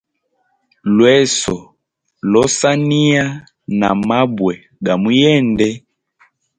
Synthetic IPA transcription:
lwɛ˦sɔ˨ | lɔ˦sa˦ni˦a˦ | na̰˨ma˦bwɛ˨ | ɡa˨mu˦jɛ˦˨ndɛ˦

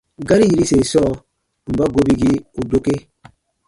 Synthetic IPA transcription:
ɡa˦ɾi˦ji˦ɾi˦se˨sɔ˦˨ | m̩˨ba˦ɡo˦bi˦ɡi˦o˨do˦ke˦

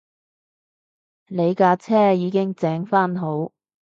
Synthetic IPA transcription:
le˨˧jkaː˧t͡sʰɛː˥jiː˨˧˥kɪ˥ŋt͡sɛː˨˥ŋfaː˥nɦo˨˥w

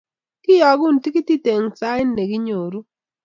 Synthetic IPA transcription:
kɪ˦jɔ˨ɡu˦˨n˨ti˦ki˦ti˦te˨ŋsa˦ɪ˦nːe˨ɡi˦ɲo˨ɾu˦

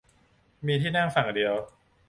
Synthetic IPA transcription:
miː˧t̪ʰiː˥˩na˥˩ŋfa˨˩ŋdi˧əw

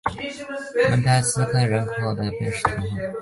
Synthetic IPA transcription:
wmə̰˧˥nt̪ʰa˥˩ɪsɹ̩˥kʰɤ˥˩ɻə˧˥nkʰo˥˩ʊd̪ə˧pjɛ˥˧nʂɻ̩˥˩t̪ʰɑ˧˥xə˥˩ŋ

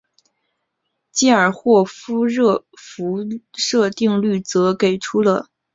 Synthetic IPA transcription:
t͡ɕi˥ə˞˨˩xwɔ˥˩fu˥ɻɤ˥˩fu˧˥ʂɤ˥˧t̪i˥˧ŋly˥˩t͡sɤ˧˥ke˨˩ɪʈ͡ʂʰu˥lə˨

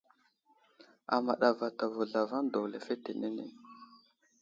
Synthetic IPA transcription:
a̰˨ma˨ɗa˨va˨ta˨vo˨ɮa˨va˦n˦do˨kle˨fe˦te˨ne˦nḛ˨

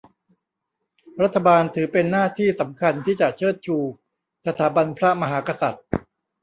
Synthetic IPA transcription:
ɾa˦˥t̪ʰːa˧baː˧nt̪ʰɯː˩˦pe˧nːaː˥˩t̪ʰiː˥˩sa˩˦mkʰa˧nt̪ʰiː˥˩t͡ɕa˨˩t͡ɕʰɤː˥˩t̪̚t͡ɕʰuː˧ | sa˧t̪ʰaː˩˦ba˧npʰɾa˦˥ma˧ɦaː˩˦ka˧sa˨˩t̪̚

